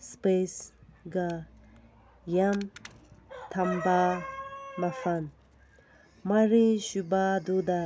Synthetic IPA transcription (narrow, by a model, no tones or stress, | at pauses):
spesɡa | jam | t̪ʰɐmba | mɐfan | maɾĩɕubad̪ud̪a